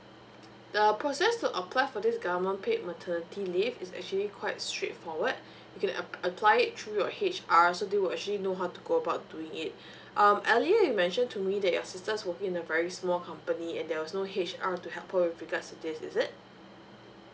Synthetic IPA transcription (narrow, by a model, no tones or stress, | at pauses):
d̥əpʰɹɔsɛstuʔəpʰlaɪfɔdɪsɡavəmə̃npʰeʔ̚mətʰənətʰilifɪsɛ̰k̚t͡ʃuəlikʰwaɪtstɹḛtfɔwəd | jukɛ̃nəpʰlaɪɪtːʰɹujɔhet͡ʃasodewilɛk̚t͡ʃəlinoɦaʊtuɡoəbaʊt̚duɪ̃ŋɪt̚ | ʔʌ̃mɛliəjumɛ̃nʃə̃ntʰumidɛt̚jɔ̰sɪstəswəkɪ̃ŋɪ̃nəvɛɹismɔlkʰãmpəniɛ̃ndɛwɔsnoɦet͡ʃatuɦɛlphawɪfɹiɡadstudɪsɪ̰sɪt̚